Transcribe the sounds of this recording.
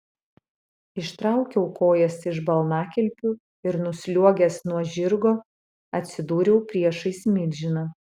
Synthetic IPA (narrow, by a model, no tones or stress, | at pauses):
ɪʃt̪ɾɑˑʊkʲɛʊkoːjɛsɪʒbɐlˠnɑːkʲɛlʲˑpʲʊ | ɪɾnʊsʲlʲuɔɡʲɛsnuɔʒʲɪɾɡoː | ɐt̪ʲsʲɪd̪uːɾʲɛʊpʲɾʲiɛʃɐɪsʲmʲɪlʲʒʲɪnɐ